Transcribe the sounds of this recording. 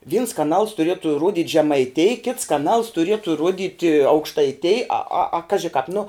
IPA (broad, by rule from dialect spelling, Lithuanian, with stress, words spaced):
ʋʲiːns kɐˈnɐlˠs tʊˈrʲiɛtʊ ˈrʊdʲɪtʲ ʒʲɛmɐɪˈtʲeːj kʲɪts kɐˈnɐlˠs tʊˈrʲiɛtʊ ˈruɔdʲɪtʲ ɐʊkʃtɐɪˈtʲeːj ɐ ɐ ɐ ˈkɑːʒʲɪ kɑːp nʊ